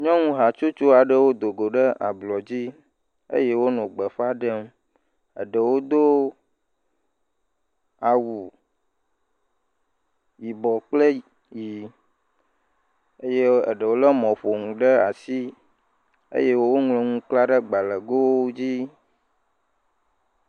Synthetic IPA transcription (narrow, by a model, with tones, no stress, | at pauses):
ɲɔ̃˦ŋũ˦ɦa˨t͡ʃo˦t͡ʃo˦a˨ɖə˦wo˦d̪o˨ɡo˨ɖə˦ʔa̰˨blɔ˨d͡ʑi˦ | ḛ˦je˦wo˦nɔ̃˨ɡ͡bə˨ɸa˦ɖə˦m | ə̰˨ɖə˨wo˦d̪o˦ | a˨wu˨ | ji˨bɔ˨k͡plə˦ | ji˨ | ə˦je˦ə̰˨ɖə˨wo˦lə˦mɔ̃˨ɸo˨ŋũ˨ɖə˦a˨si˦ | ḛ˦je˦wwo˦ŋlo˨ŋũ˦k͡pla˦ɖə˦ɡ͡ba˨lə˨ɡo˦wo˦d͡ʑi˦